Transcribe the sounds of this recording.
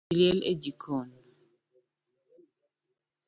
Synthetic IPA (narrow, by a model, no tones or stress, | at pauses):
ljɛlḛd͡ʒikʰɔn